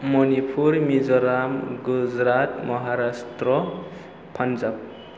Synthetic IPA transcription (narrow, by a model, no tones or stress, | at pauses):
mɔnipʰuɾmid͡ʒɔɾamɡud͡ʒɾat̪mɔɦaɾastɾɔ | pʰand͡ʒap̚